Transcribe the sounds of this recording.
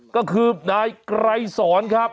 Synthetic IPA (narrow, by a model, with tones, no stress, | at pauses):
kɔː˥˩kʰɯː˧naː˧jkɾa˧jsɔː˩˦nkʰɾa˦˥p̚